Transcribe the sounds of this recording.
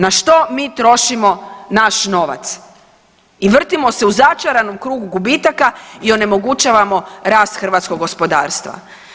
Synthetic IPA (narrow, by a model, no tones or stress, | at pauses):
naʃt̪o̞miːt̪ɾo̞ʃimo̞naʃno̞ʋa̰t̪s | iʋr̩t̪imo̞seuzat͡ʃaɾanomkɾuːɡuɡubit̪akaio̞ne̞mo̞ɡut͡ʃaːʋamo̞ɾaːst̪xr̩ʋat̪sko̞ɡːospo̞d̪a̰ːɾst̪ʋa̰